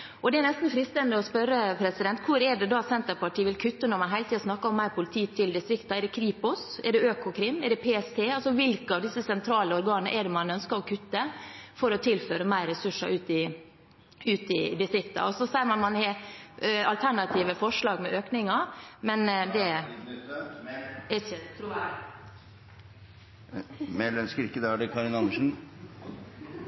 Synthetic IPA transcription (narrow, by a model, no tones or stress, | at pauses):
ʔɔd̪ɛɛnɛst̪n̩fɾɪːst̪ɛnd̪əɔspœɾːəpʰɾɛsɪd̪ɛnt̪kʰʊɾɛɖɛd̪ɑt̪sɛnt̪əɾpɑʈiːʋɪlkʰʉt̪ːənɔɾmɑnɦæɪlət̪iːɑsnɑkːɑɾɔmːæɪɾpʰʊlɪt̪ʰiːt̪ʰɪld̪ɪst̪ɾɪkt̪ɑɛɖ̪ɛkʰɾiːpʊsɛɖɛøːkʊkʰɾɪmːɛɖɛpʰeːɛst̪ʰeːɑlsɔʋɪlkəɑʋd̪ɪsːəsɛnt̪ʰɾɑːləɔɾɡɑːnnə̰ʔɛɖɛmɑnœnskəɾɔkʰʉt̪ːəfɔɾɔt̪ʰɪlføːɾəmæɪɾɛsʉʂɑ̰ʔʉːt̪ɪ | ʉːt̪ɪd̪ɪst̪ɾɪkt̪ːɑ̰ɔsɔsæɪəmɑnmɑnhɛ | ɑlt̪ʰæɳɑt̪ʰiːʋəfɔʂɭɑːɡmɛʔøːknɪŋɑmɛnd̪ɛ | ɛt̪ʰː | mɛlːɛnskɾɪkːəd̪ɑɑɖɛkʰɑɾɪnɑnəʂn̩